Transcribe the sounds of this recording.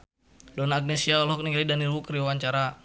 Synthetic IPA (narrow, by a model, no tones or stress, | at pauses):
dɔnaːɡ̚nesiaɔlɦɔk̚niŋɡɾidanilwukɾiwawaɲt͡ʃaɾa